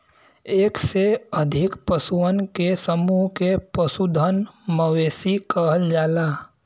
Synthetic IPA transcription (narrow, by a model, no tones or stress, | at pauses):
eːkseəd̪ʱɪkpəsuənkesəmuɦkepəsud̪ʱənməʋeːsikəɦəld͡ʒaːlaː